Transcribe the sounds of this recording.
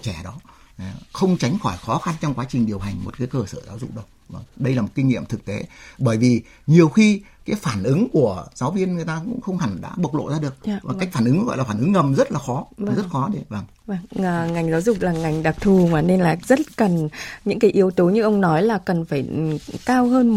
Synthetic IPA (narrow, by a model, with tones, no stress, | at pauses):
t͡ɕɛ˧˩ɗɔ˨˦˨ | xə˧wŋ͡mt͡ɕa˨˦ŋ̟xɔ˧˩jxɔ˨˦xa˧nt͡ɕɔ˧ŋ͡mkwaː˨˦t͡ɕi˨˩ŋ̟ɗi˨˩əwɦa˨˩jŋ̟mo̰˨˩t̚kaː˨˦jkəː˧˩sə̰ː˧˩zaː˨˦wzʊ̰˧˨k͡p̚ɗə˧w | vəː˧˩ŋɗə˧jlaː˨˩mo˨˩t̚ki˧ŋːḭ˧˨əmt̪ʰɨ˨˩k̚t̪e˨˦ɓəː˧˩jvi˨˩ | ɲi˨˩əwxi˧kaː˨˦jfaː˧˩nʔɨ˨˦ŋku˧˩əzaː˨˦wvi˧ənŋɨ˨˩əjt̪aː˧kʊ̰˧˥ŋ͡mxə˧wŋ͡mha˧˩ŋɗa̰ː˧˥ɓə˨˩k̚lo̰˧˨zaː˧ɗɨ˨˩ək̚vaː˨˩kːjk̟faː˧˩nʔɨ˨˦ŋɔ˧˦ŋɔ̰˧˨laː˨˩faː˧˩nʔɨ˨˦ŋːə˨˩mzə˦˥t̚laː˨˩xɔ˨˦˨zə˦˥t̚xɔ˨˦ɗe˨˦vaː˧˩ŋ | vaː˧˩ŋəː˨ŋa˨˩jŋ̟zaː˨˦wzʊ˨˩k͡p̚laː˨˩ŋa˨˩jŋ̟ɗaː˨˩p̚t̪ʰu˨˩maː˨˩ne˧nlaː˨˩zə˦˥t̚kə˨˩nɲɨ̰˧˥ŋkaː˨˦jʔi˨˦əwt̪o˨˦ɲɨ˧ʔə˧wŋ͡mnɔ˨˦jlaː˨˩kə˨˩nfaː˧˩jkaː˧wɦəː˧n